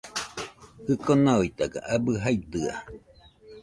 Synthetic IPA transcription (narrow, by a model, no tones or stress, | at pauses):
hɯkonaoit̪aɡa̰ʔabɯɦait̪ɯa̰